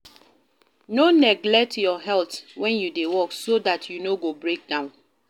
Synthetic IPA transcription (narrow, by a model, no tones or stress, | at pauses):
nonɛɡlɛk̚tjɔɦɛltwɛ̃njudewɔksodatjunoɡobɹek̚dãʊ̃n